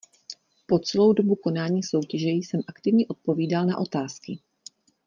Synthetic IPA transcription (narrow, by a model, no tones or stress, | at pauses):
po̞t͡sɛlo̞wdo̞buko̞naːɲiːso̞wcɛʒɛjsɛmʔakt̪ɪvɲɛʔo̞t̪̚po̞viːdalna̰ʔo̞t̪aːskɪ